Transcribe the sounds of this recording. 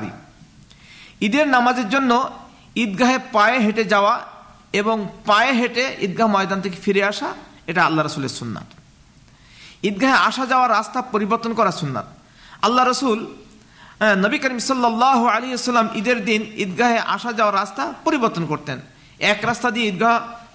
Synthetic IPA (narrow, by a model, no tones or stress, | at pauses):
ḭ | id̪eɾnamad͡ʑeɾd͡ʑonːo | id̪ɡaɦepaeɦeʈed͡ʑaoa | eboŋpaeɦeʈeid̪̚ɡaɦmɔjd̪ant̪ʰekefiɾeaʃa | eʈaalːaɾəsuleɾsunːa̰t̪ | id̪̚ɡʱaɦeaʃad͡ʑaoaɾːast̪apoɾiboɾt̪ːonkɔɾasunːa̰t̪̚ | alːaɾəsul | nəbikəɾimsɔlːalːaɦualeɦisɐlːamʔid̪eɾd̪inḭd̪̚ɡʱaɦeʔa̰ʃad͡ʑaoaɾːast̪apoɾiboɾt̪ːonkoɾt̪en | ɛkɾast̪ad̪ieid̪̚ɡaɦ